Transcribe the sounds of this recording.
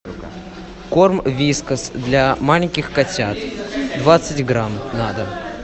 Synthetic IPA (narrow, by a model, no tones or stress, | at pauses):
kormvʲiskəsd̪lʲamalʲɪnʲkʲɪxkɐtʲat̪d̪vat̪sɨtʲɡɾamnad̪ə